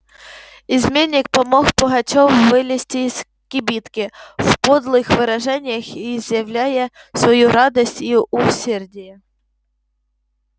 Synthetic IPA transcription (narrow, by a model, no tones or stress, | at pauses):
izmʲenʲːɪk̚pɐmɔxpɔɣɐt͡ʃɔwvɪlʲɪsʲtʲɪːz̥ | kʲɪbʲit̪kʲɪfpɔd̪lˠɨxʋɪɾɐʐɛnʲɪjɐxizjɐwlʲajɛ | sʋɐjuɾɑd̪ɐsʲtʲiʔʊsʲɛrdʲɪjɛ